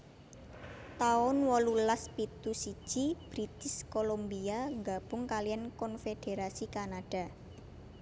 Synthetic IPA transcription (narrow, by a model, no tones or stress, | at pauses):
t̪aʊnwɔlulaspit̪usi̥ʒ̥ib̥ɾit̪ɪskolombiaŋɡab̥ʊŋkalijankɔnfeɖ̥eɾasikanaɖ̥a̤